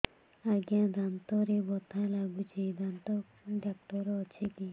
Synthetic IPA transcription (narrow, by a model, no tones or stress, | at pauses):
aɡjãd̪ant̪ɔɾebɔt̪ʰalaɡut͡ʃid̪ant̪ɔ | ɖak̚ʈɔɾɔːt͡ʃʰiki